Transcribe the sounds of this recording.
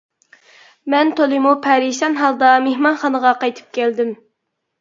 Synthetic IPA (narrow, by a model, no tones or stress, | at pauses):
mɛnt̪ʰolˠimupʰɛɾiʃɑnɦɑlˠd̪ɑmehmɑnχɑnəʁɑqɑjt̪ʰɨ̥p̚kʲʰɛld̪ɪm